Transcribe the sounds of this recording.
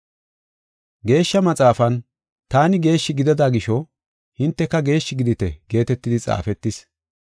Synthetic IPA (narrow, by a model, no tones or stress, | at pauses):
ɡe̞ːʃːɐmɐt͡sʼaːfɐn | t̪aːnɪɡe̞ːʃːɪɡɪd̪ɐd̪aːɡɪʃɔ | hɪnt̪ːɛkːɐɡe̞ːʃːɪɡɪd̪ɪt̪ɛ̰ɡe̞ːt̪ɛt̪ːɪd̪ɪt͡sʼa̰ːfɛt̪ːɪs